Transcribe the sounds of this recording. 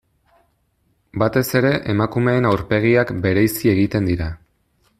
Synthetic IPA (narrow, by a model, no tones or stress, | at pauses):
bat̪e̞se̞ɾe̞ʔemakume̞ːnawɾpe̞ɣ̞iakbe̞ɾe̞jsie̞ɣit̪e̞nd̪iɾa